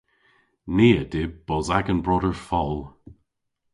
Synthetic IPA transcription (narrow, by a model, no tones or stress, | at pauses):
niːədɪb̚b̥ɔzaɡənbɹɔdəɹfɔlˠ